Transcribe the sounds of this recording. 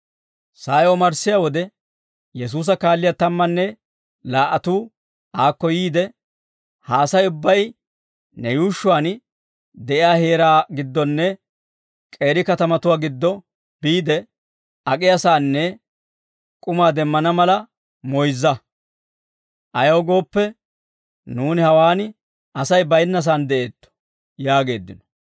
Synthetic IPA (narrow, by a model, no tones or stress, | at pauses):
saːjɔmɐɾsːɪjawɔd̪ɛ | jɛs̬uːs̬ɐkaːlːɪjat̪ɐmːɐnːɛ | laːʔɐt̪uː | aːkːɔjiːd̪ɛ | haːsɐjʊbːɐj | nɛjuːʃːʊwaːn | d̪ɛʔɪjaːheːɾaːɡɪd̪ːɔnːɛ | kʼe̞ːɾɪkɐt̪ɐmɐt̪ʊwaːɡɪd̪ːɔ | biːd̪ɛ | ɐkʼɪjɐsaːnːɛ | kʼʊmaːd̪ɛmːɐnɐmɐlɐ | mɔjzːɐ | ʔɐjɐwɡo̞ːpːɛ | nuːnɪhɐwaːn | ɐsɐjbɐjnːɐs̬aːnd̪ɛʔe̞ːt̪ːɔ̥ | jaːɡe̞ːd̪ːɪnɔ̥